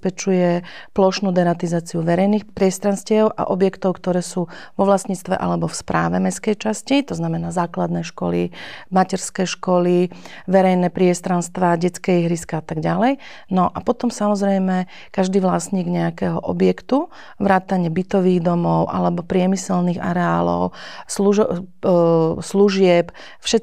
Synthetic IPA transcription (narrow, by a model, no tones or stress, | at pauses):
pɛt͡ʃujɛplɔʃnuːd̪ɛnat̪izaːt͡siuʋɛɾɛjniːxpɾɪɛst̪ɾanscɪɛʊʔa̰ʔɔbjɛkt̪ɔʊkt̪ɔɾɛːsuːʋɔʋlasɲiːt͡st̪ʋɛ̰ʔa̰lɛbɔfspɾa̰ːʋɛmɛskɛjt͡ʃascit̪ɔznamɛnaːzaːklad̪nɛʃkɔ̰lḭmacɛɾskɛjʃkɔli | ʋɛɾɛjnɛpɾɪɛst̪ɾanst̪ʋaɟɛt͡skɛɦɾiskaat̪aɡɟalɛj | nɔʔapɔt̪ɔmsamɔzɾɛjmɛ | kaʒd̪iːʋlasɲiːɡɲɛakɛːɦɔʔɔbjɛkt̪u | ʋɾaːt̪aɲɪɛbit̪ɔʋiːɣd̪ɔmɔʊʔa̰lɛbɔpɾɪɛmisɛlniːɣa̰ɾɛaːlɔ̰ʊsluʒ | sluʒɪɛp | fʃɛ